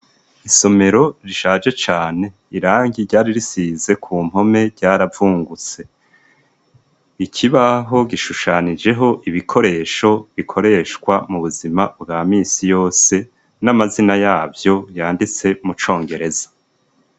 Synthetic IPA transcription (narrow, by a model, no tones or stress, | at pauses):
iso̞me̞ɾo̞ɾiʃaːd͡ʒe̞t͡ʃaːne̞ | iɾaːŋɡiɾɟaːɾiɾisiːze̞kʰuːm̥ho̞me̞ɾɟaːɾavuːŋɡut͡se̞ | icʰiβaɦo̞ɡiʃuʃanid͡ʒe̞ɦo̞ʔiβikʰo̞ɾe̞ːʃo̞βikʰo̞ɾe̞ːʃkwamuβuzimabɡaːmiːsijo̞ːse̞ | namazinajaːbjo̞jaːndit͡se̞mut͡ʃo̞ːŋɡe̞ɾe̞zḁ